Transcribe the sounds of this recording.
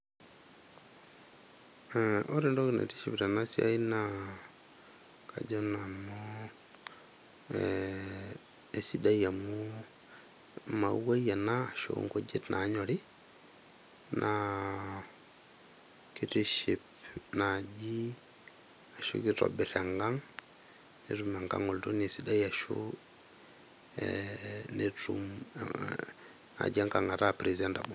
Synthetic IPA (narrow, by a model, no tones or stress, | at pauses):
ʔoɾendokinḛtiʃipɾanasia̰ina | ka̰d͡ʒɔnano | esidajamu | mawaijanaːʃo̰ŋɡod͡ʒetnʔaɲɔɾi | nʔa | kitiʃipnad͡ʒi | aʃo̰kiɾɔ̰biɾaŋɡaŋ | neɾumaŋɡa̰ŋoltunesidajaʃo̰ | netum | na̰d͡ʒaŋkaŋaɾapɾizandabu